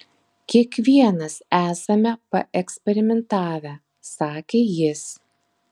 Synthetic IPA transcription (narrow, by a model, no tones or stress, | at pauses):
kʲiɛkʋʲiɛnɐsæːsɐmʲɛpɐʔɛksʲpʲɛɾʲɪmʲɛnt̪ɑːʋʲæ | sɑːkʲeːjɪs